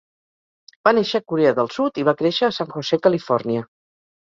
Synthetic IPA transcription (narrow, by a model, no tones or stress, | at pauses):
b̥aneʃəːkuɾeəðəlˠsut̪iβakɾeʃəːsaŋxosekəlifɔrniə